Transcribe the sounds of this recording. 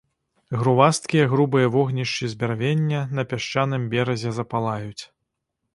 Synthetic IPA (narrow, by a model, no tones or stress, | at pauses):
ɣɾuvast̪̚kʲijɛɣɾubɨjɐvɔɣnʲiʂt͡ʃizʲbʲarvʲenʲːɐnɐpʲaʂt͡ʃanɨmbʲɛɾɐzʲɛzɐpalˠajut͡sʲ